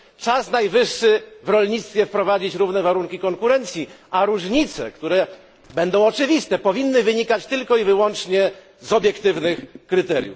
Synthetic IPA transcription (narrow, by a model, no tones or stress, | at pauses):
t͡ʂasnajvɘʂːɘvɾɔlɲit̪st̪fʲjɛfpɾɔvad͡ʑit͡ɕɾuvnɛvaɾuŋkʲikɔŋkuɾɛnt̪sʲjiaɾuʐɲit̪sɛ̰kt̪uɾɛ | bɛnd̪ɔ̃w̃ɔt͡ʂɘvʲist̪ɛpɔvʲinːɘvɘɲikat͡ɕt̪ɘlkɔivɘwɔnt͡ʂɲɛ | zɔbʲjɛkt̪ɘvnɘxkɾɘt̪ɛɾʲjṵf